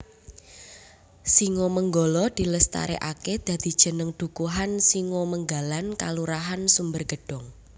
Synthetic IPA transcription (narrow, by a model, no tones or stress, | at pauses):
siŋoməŋɡɔlɔd̪̥i̤ləst̪a̰ɾḛʔaked̪̥ä̤d̪̥i̤d̥ʒ̥ə̤nəŋɖ̪̥ṳkuɦansiŋoməŋɡalanka̰luɾaɦansumbərɡ̥ə̤ɖ̥ɔ̤ŋ